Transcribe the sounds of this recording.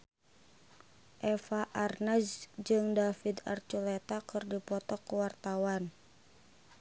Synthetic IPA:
ʔɛfaʔarnasd͡ʒɨŋdafid̪a̰rt͡ʃulɛt̪akɨrdipɔt̪ɔkəwart̪awan

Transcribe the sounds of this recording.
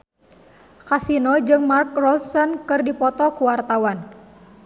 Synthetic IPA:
kasinɔd͡ʒɨŋmark̚rɔsɔnkɨrdipɔt̪ɔkuwart̪awan

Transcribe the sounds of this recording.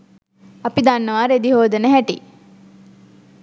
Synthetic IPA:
ɐpid̪anːəʋaːɾed̪iɦoːd̪ənəɦæʈḭ

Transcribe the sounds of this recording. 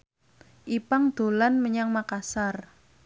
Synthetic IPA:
ʔipaŋd̪̥o̤lanməɲaŋmakasar

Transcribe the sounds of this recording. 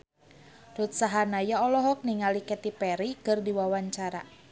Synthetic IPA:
ɾut̪̚saɦanajaɔlɔɦɔk̚niŋalikɛt̪ipɛɾikɨrdiwawaɲt͡ʃaɾa

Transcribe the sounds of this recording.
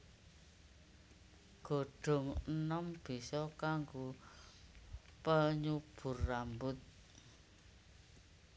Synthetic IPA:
ɡ̥o̤ɖ̥ɔ̤ŋənəmb̥i̤sɔkaŋɡo | pəɲub̥ʊ̤rːambʊt̪̚

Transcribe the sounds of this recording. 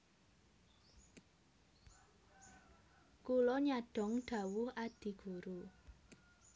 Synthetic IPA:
kulɔɲaɖ̥ɔ̤ŋɖ̪̥ä̤wʊhad̪̥i̤ɡ̥ṳɾu

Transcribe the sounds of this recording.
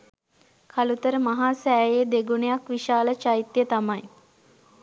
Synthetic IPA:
kʰalut̪əɾəmaɦaːsæːjeːd̪eɡunejakʋiʃaːlət͡ʃait̪jət̪amaj

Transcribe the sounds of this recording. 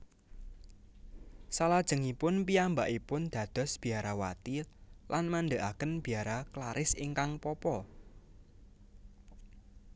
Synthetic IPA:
salad̥ʒ̥ə̤ŋipʊnpiambaʔipʊnd̪̥ä̤d̪̥ɔ̤sb̥i̤aɾawa̰t̪ilʔanmand̪əʔakənb̥i̤aɾaklaɾʔɪsiŋkaŋpɔpɔ

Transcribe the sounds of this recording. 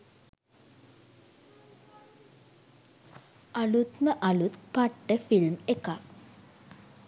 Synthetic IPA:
alut̪məʔɐlut̪paʈːəfilmeka

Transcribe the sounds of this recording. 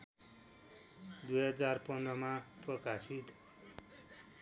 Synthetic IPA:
d̪ujɦʌd͡zarpʌndrʌmaprʌkasit̪

